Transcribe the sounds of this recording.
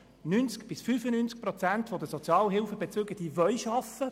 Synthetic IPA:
nynt͡skb̥ɪsfyːfənynt͡sk̚prɔt͡sænt̪fod̪əsot͡sjɑːlɦɪlfəbet͡søɡəd̥ivœlʃɑfə

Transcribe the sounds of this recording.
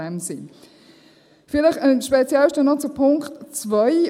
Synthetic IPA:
ɛmsin | fɪlɪχənʃpɛt͡sjɛlʃtənɔt͡supʰʊŋktt͡svœj

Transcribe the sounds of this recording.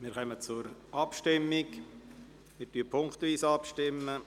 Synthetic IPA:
mɪːɾχœmət͡sʊɾʔɑpʃtɪmːɪk | mɪɾtyəpʰʊŋkt̪ʋiːsɑpʃtɪmːə

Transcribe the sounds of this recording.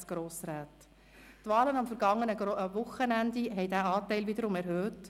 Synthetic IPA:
sɡ̥ɾoːsɾaːt | tʋɑːlənɑmfəɾɡɑŋːənəʋʊχənænd̪iɦɛjdæːɑːtɛɪlʋɪd̪əɾʊmɛɾɦøːt

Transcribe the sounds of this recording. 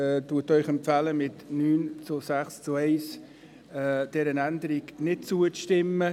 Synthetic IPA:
ɛduətœʏχɛmpfæləmɪtnyːnt͡sʊsæχst͡suɛɪs | ɛd̥ɛɾənændəɾiɡnɪt̚t͡suəʃtɪmːə

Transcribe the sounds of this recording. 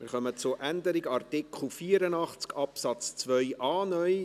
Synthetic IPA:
mɪɾχœmət͡sʊʔænd̪əɾɪɡɑrt̪ɪkχl̩ˠfiːəɾənɑχt͡skɑpsɑt͡st͡sʋœʏʔɑːnœj

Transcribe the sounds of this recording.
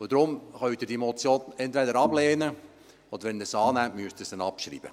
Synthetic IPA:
od̥̪ɾʊmχœɥt̪ɪdimɔt͡sjoːnɛnt̪vɛdəɾɑbleːnə | ɔd̥̪əɾʋɛnd̪əsɑːnæmtmyəst̪əsd̥̪ɛnɑpʃɾḭːb̥ə̰

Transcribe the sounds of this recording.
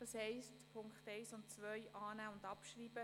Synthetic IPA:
d̥ɑshɛɪstpʰʊŋkχtɛɪsʊntt͡sʋœjʔɑːnæːʊndɑpʃriːbə

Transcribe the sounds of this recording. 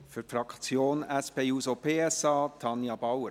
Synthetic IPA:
fyfɾɑkt͡sjoːnɛspeːuːsopʰeːɛsɑːtʰɑnjɑbɑwə

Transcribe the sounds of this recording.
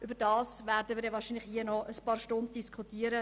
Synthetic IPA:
ʔybəɾdɑːsʋæːɾdəniːɾjɛʋɑːɾʃiːnlɪχhiənɔʔəspɑːɾʃtʊnd̚d̥iskʰχutiːəɾə

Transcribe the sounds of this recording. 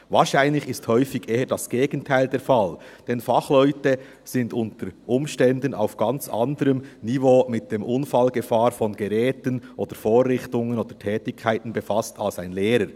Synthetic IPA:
vaːɾʃaɪnlɪçɪsthœʏfɪɡʔeːədasɡ̥eːɡ̥ən̩tʰaɪldeːɾfald̥ɛnfɑχlɔʏtə | z̥ɪndʊntəɾʔʊmʃtɛndəna̰ʊfɡ̥ant͡sʔa̰ndəɾəmnivoːmɪt̚d̥eːmʔʊnfalɡəfaːɾfɔnɡɛʁɛːtənʔoːd̥əɾfoːrːɪxtʊŋənoːd̥ətʰɛːtɪkʰːaɪtn̩bɛfastʰalsaɪnleːɾəɾ

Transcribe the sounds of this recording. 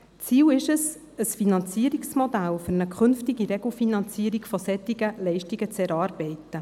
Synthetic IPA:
t͡siːlɪʃəs | əsfinɑnt͡siəɾiksmodælfʏɾnəkʰʏnftɪɡiɾɛɡl̩finɑnt͡siːəɾikfosɛtɪɡəlɛɪʃtiɡət͡sɛɾɑːɾb̥ɛɪtə

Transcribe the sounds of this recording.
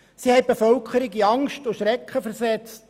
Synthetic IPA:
sihɛɪb̥efœlkχəɾɪɡiɑŋstʊʃɾɛkχəfəɾsɛt͡st

